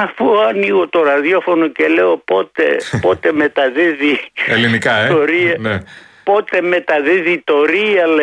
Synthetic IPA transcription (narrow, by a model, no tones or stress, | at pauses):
ɐfuɐniɣot̪o̞ɾɐðjofo̞noceleopot̪ḛpo̞t̪e̞me̞t̪ɐðiðielinikɐeoɾiɐne | po̞t̪e̞me̞t̪ɐðiðit̪o̞ɾiɐle